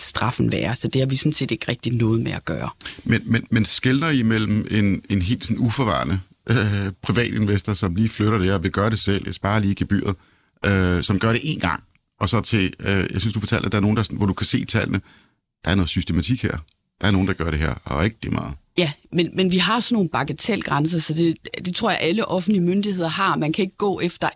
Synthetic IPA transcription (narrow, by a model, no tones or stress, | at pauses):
sd̥ʁɑ̈fn̩ʋæːɐsɒ̽d̥e̝hɑ̈ʋisɒnse̝̰ːd̥e̝ɡ̥ʁɛɡ̥̚d̥inɔ̽ːð̞̩ˠmeæɡ̥ɶːɐmenmenmensɡ̥elnɐimel̰m̩ʔe̝ne̝nɦe̝̰ːld̥sɔnufɒʋɑ̰̈ːnə | ʔpʰʁiʋɛ̰ːd̥e̝nʋesd̥ɐsɒ̽mliːfløɾɐɾ̥eeɐʋe̝ɡ̥ɶːɐɾ̥e̝sel̰jasb̥ɑ̈ːliːɡ̥eb̥y̰ːɐð̞̩ˠ | øsɒ̽mɡ̥ɶɐɾe̝ʔe̝nɡ̥ɑ̈ŋ̰ | ɒ̽sɒ̽t͡sʰe̝øjasynsd̥ufɒ̽ːt͡sʰæl̰d̥æd̥ɑ̈ɐno̝ːn̩dɑ̈sɔnʋɒd̥ukʰæse̝̰ːt͡sʰæl̰nə | d̥ɑ̈æɐnɔ̽ð̩ˠsysd̥e̝mæt͡sʰiɡ̥heɐ̰ | d̥ɑ̈æɐno̝ːn̩d̥ɑ̈ɡ̥ɶɐɾe̝ɦeɐ̰ɒeɡ̥̚d̥imɑ̈ːð̩ˠjæmenmenʋiɦɑ̈sɒnːo̝ːn̩b̥ɑ̈ɡ̥ət͡sʰel̰ɡ̥ʁɑns̬ɐsɒ̽d̥e̝d̥e̝t͡sʰʁo̝ɐ̰jäʔæləʔɒ̽fn̩̥liəmønd̥ihe̝ð̰ˠɐɦɑ̈mænkʰæe̝ɡ̥̚əɡ̥ɔ̰ːefd̥ɐ